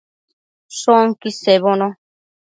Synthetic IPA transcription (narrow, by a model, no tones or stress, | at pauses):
soŋkiseβonõ